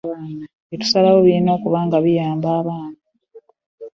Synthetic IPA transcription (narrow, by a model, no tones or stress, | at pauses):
βaːna | etu̥salawoβiino̞ːkuβaːŋɡaβijaːmbaːβaːna